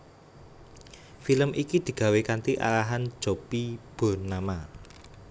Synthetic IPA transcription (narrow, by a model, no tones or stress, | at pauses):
filəmʔikid̪̥i̤ɡ̥a̤wekant̪iʔa̰laɦan̥d͡ʒ̥o̤pib̥o̤nama